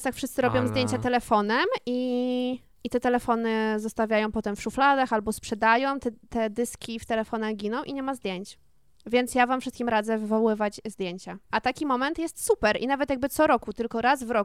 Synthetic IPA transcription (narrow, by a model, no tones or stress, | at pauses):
st̪akfʂɘst̪sɘɾɔbʲjɔ̃w̃zd̪ʲjeɲt͡ɕat̪ɛlɛfɔnɛmʔi | it̪ɛt̪ɛlɛfɔnɘzɔst̪avʲjajɔ̃w̃pɔt̪ɛmfʂuflad̪axalbɔspʂɛd̪ajɔ̃w̃t̪ɛt̪ɛd̪ɘskʲift̪ɛlɛfɔnɛɡʲinɔ̃w̃ʔiɲɛmazd̪ʲjeɲt͡ɕ | vʲjɛntsjavamfʂɘst̪kʲimɾad̪zɛvɘvɔwɘvat͡ɕzd̪jeɲt͡ɕaʔat̪akʲimɔmɛnt̪jɛst̪supɛɾʔinavɛt̪jaɡ̚bɘt̪sɔɾɔkut̪ɘlkɔɾazvɾɔ